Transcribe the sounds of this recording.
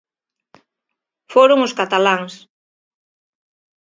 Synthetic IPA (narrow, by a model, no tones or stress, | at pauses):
foɾʊŋʊskat̪alaŋs